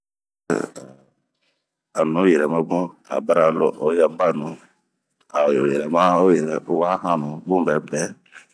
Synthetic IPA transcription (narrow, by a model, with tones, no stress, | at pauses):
a˨nũ˦jɛ˨ɾɛ˨mã˦bũ˦a̰˨ba˦ɾa˦lo̰˦˨ʔo˦jɛ˦ba˦˨nũ˨ | a˨jo˨jɛ˨ɾɛ˨mã˦o˦jɛ˨ɾɛ˨˦wa˦hã˦nũ˨bũ˦bɛ˦bɛ˦